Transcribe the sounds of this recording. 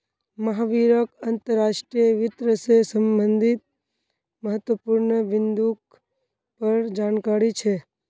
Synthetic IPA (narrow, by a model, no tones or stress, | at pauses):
məɦaʋiɾəkənt̪əɾːaʃʈɾijəʋɪt̪ɾəsesəmbənd̪ʱit̪̚ | məɦət̪ʋəpuɾɳəʋɪnd̪uk | pəɾd͡ʒankaɾit͡ʃʰe